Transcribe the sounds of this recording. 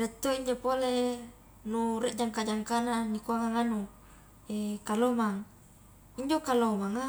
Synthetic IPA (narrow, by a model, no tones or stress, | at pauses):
ret̪ːoiɲd͡ʒopole | nuɾeʔd͡ʒaŋkad͡ʒaŋkananikoaŋaŋanu | ekalomaŋ | iɲd͡ʒokalomaŋa